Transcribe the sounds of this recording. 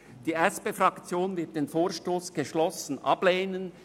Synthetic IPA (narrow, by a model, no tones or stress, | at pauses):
d̥iːʔɛspeːfrɑkt͡sjoːnvɪɐt̚d̥eːnfoːɐʃtoːsɡ̥əʃlɔsən̩ʔɑ̰b̥leːnən